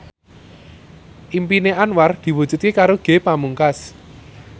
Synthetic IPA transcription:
ʔimpineʔanward̪̥i̤wu̥ʒ̥ṳt̪̚kekaɾoɡ̥e̤pamuŋkas

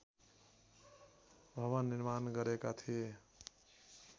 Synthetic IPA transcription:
bʱʌβanːiɾmanɡʌɾekat̪ʰie

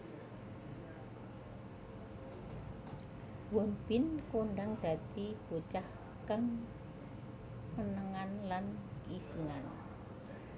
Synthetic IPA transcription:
wɔmbɪnkoɳɖaŋd̪̥ä̤t̪ib̥ot͡ʃah | kaŋ | mənəŋanlanisiŋan

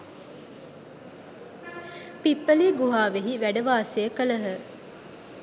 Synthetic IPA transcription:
pipːəliːɡuɦaːʋeɦiʋæɖəʋaːsejəkələɦə

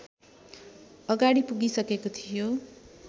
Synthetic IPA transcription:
ʌɡaɽipuɡisʌkekot̪ʰijo

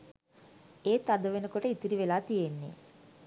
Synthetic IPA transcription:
eːt̪ad̪əʋenəkoʈəit̪iɾiʋelaːt̪ijenːḛ

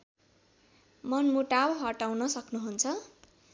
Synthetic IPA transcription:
mʌnmuʈawɦʌʈawnʌsʌknuɦunt͡sʰʌ

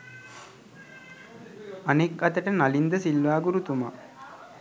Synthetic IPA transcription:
anekɐt̪əʈənalind̪əsilʋaːɡuɾut̪uma̰

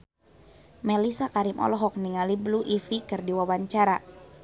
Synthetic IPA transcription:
melisakaɾimʔɔ̰lɔɦɔk̚niŋalibluʔifikɨrdiwawaɲt͡ʃaɾa

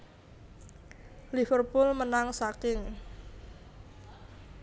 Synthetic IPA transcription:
lifərpʊlmənaŋsakɪŋ

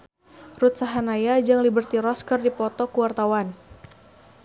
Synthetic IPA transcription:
rut̪̚saɦanajad͡ʒaŋlibərt̪iɾɔskərdipɔt̪ɔkuwart̪awan

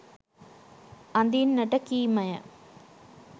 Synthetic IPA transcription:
ɐnd̪innɐʈːɐkːiːmɐjɐ̰

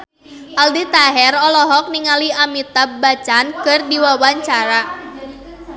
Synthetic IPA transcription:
ʔaldit̪aɦɛrɔlɔɦɔk̚niŋaliamit̪abat͡ʃankɨrdiwawaɲt͡ʃaɾa

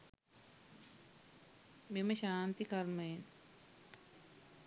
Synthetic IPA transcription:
memɐɕaːnt̪ikɐɾmɐjen

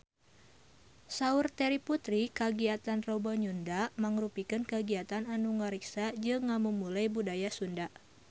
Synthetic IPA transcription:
saurt̪ɛɾiput̪ɾikaɡiat̪anrɔbɔɲundaʔmaŋɾupikɨnkəɡiat̪ananuŋəɾiksad͡ʒɨŋːamumulajbudajasundaʔ

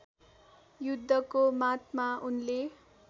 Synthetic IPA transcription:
jud̪ʱːʌkomat̪maunle

